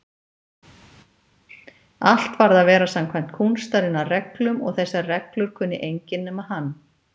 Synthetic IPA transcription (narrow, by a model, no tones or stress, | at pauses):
al̥t̪vaɾðaðvɛːɾasamkʰvajm̥t̪kʰuwnst̪ajɾɪnarɛklʏmɔ̰ɣθɛsːarɛklʏɾ̥kʰʏːnːɪ̰ʔejɲcɪnːʏmaðɦanː